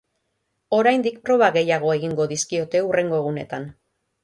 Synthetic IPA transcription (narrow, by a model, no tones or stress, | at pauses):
o̞ɾajnd̪ik̚pɾo̞β̞aɣe̞jaɣ̞o̞e̞ɣ̞iŋɡo̞ðiskio̞t̪e̞ure̞ŋɡo̞e̞ɣune̞̰t̪an